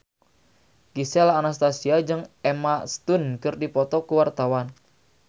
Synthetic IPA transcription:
kisɛlaːnast̪asiad͡ʒɨŋɛmast̪unkɨrdipɔt̪ɔkuwart̪awan

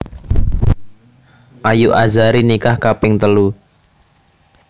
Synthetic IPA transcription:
ʔajuʔazaɾinikahkapɪŋt̪əlu

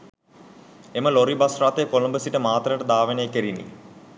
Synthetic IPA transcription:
eməloɾibasraːt̪ejkolombəsiʈəmaːt̪rəʈəd̪aːʋeneːkeɾinːḭ

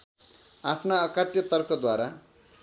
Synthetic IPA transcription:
apʰnaʌkat̪jʌt̪ʌrkʰʌd̪waɾa

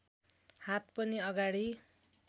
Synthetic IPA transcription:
hat̪pʌniʌɡaɽi

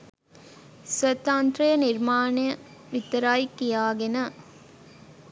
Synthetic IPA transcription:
sʋɐt̪ːaːnt̪ɾɐjɐniɾmaːnejɐ | ʋit̪ːɐɾaːjkːijaːɡenɐ

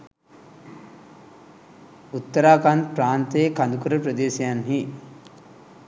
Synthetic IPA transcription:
ut̪ːəɾaːkanpɾaːnt̪eːkand̪ukuɾəpɾəd̪eːsijanɦi

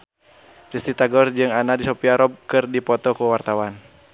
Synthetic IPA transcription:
ɾist̪it̪aɡɔrd͡ʒɨŋanadisɔpiaɾɔb̚kɨrdipɔt̪ɔkuwart̪awan

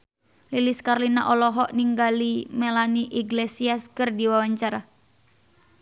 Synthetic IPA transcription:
liliskarlina̰ʔɔlɔɦɔʔniŋɡalimelaniʔiɡlesiaskɨrdiwawaɲt͡ʃaɾa

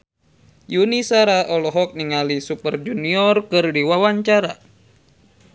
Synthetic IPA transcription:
junisaɾaʔɔlɔɦɔk̚niŋalisupərd͡ʒuniɔrkɨrdiwawaɲt͡ʃaɾa

